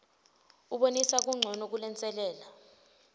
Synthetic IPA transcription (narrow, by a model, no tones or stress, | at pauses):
uɓonisak̬ʼuŋ͡ǀʱɔnɔk̬ulɛnt͡sʼɛlɛːla